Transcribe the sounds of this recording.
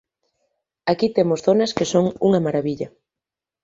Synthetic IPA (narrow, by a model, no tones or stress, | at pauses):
akit̪emʊsθonɐskesoŋuŋɐmaɾaβiʎɐ